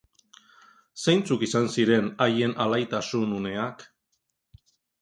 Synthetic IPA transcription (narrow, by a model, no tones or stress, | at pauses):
sejnt͡sukisansiɾe̞naje̞nalajt̪asunune̞ak